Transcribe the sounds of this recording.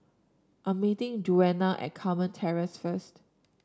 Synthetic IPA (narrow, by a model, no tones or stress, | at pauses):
ʔəmitɪ̃ŋd͡ʒuɛnaʔɛ̰t̚kʰamə̃ntʰɛɹəsfəst